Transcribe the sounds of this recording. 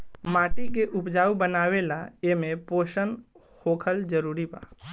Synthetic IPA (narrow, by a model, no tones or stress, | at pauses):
maːʈik̬eʔʊpd͡ʒaːubənaːʋelaemẽpoːʃən | hoːkʰəld͡ʒəɾuːɾipa̰ː